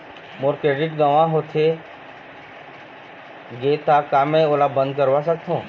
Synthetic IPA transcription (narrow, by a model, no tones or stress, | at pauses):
mʊɾkeɖɪʈɡəʋãɦot̪ʰe | ɡeːt̪akaːmẽoːlabə̃nd̪̚kəɾʋasək̚t̪ʰõː